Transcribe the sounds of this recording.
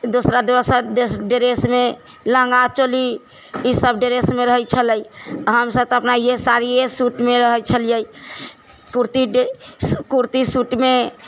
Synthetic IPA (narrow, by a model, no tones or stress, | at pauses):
d̪osɾad̪iʋəsədesɖeɾesme | lə̃ŋɡat͡ʃoli | isəbɖeɾesmeɾəɦət͡ʃʰələiɦəmsət̪əpnaijesaɾijesuʈmeɾəɦət͡ʃʰəljəi | kuɾt̪iɖkuɾt̪isuʈme